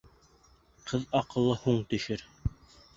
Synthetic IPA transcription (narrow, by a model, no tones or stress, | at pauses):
qʰɤðɑqɤ̆lˠːɤhuɴt̪ɵ̆ʃɘɾ